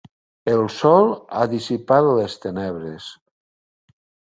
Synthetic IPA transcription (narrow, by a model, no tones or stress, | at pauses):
elˠsɔlˠa̰ðisipaðolest̪enɛβ̞ɾes